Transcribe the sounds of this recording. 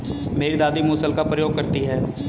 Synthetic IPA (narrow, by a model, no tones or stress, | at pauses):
meːɾid̪aːd̪imoːsəlkapɾəjoːɡ̚kɐɾt̪iɦɛːs